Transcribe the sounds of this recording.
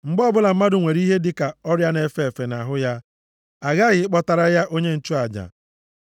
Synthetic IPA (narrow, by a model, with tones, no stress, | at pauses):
ŋ͡m̩˨ɡ͡bɔ˦bʊ˦la˨m̩˦ma˦dʊ˨ŋʷe˨ɾi˦ɦe˦dɪ˦ka˨ɔ˦ɾja˦ne˨fe˨fe˨na˨ɦʊ˦ja˦ | a˨ɣa˦ɣɪ˨ɪ˦k͡pɔ˦ta˨ɾa˦ja˦ʔo˦ɲe˦n̩˨t͡ʃu˦a˨d͡ʒa̰˨